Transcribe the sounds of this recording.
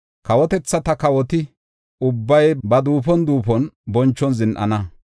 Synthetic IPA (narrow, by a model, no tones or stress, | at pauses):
kɐwɔt̪ɛt͡sːɐt̪ɐkɐwɔt̪ɪ | ʊbːɐjbɐd̪uːpɔnd̪uːpɔnbɔnt͡ʃːɔnzɪnʔɐ̰nɐ